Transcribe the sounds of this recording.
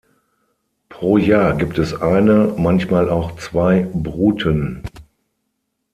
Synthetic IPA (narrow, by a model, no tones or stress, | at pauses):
pʁ̥oːjaːɐɡiːp̚tʰɛsʔaɪnəmançmaːlaʊxt͡sv̥aɪbʁuːtʰən